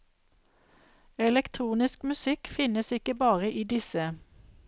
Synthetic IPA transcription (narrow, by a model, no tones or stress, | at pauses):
ɛlɛkt̪ʰʁuːnɪskmʉsɪkfɪnəsɪkəbɑːʁəʔiːd̪ɪsə